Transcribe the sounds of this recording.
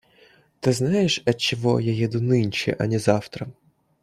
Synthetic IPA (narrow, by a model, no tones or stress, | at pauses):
t̪ɪznɑjeʃɐt͡ʃɔɦɔ̰jɔjid̪ʊnɪnʲt͡ʃḭʔɐ̰nʲizɑwt̪ɾɐ